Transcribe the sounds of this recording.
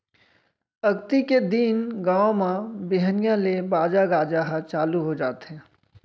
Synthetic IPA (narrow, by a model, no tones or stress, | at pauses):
ɐɡt̪iked̪iːnɡãːõmãbɪɦənijãlebaːd͡ʒaɡaːd͡ʒaːɦat͡ʃaːluɦod͡ʒaːt̪ɦɛ̃ː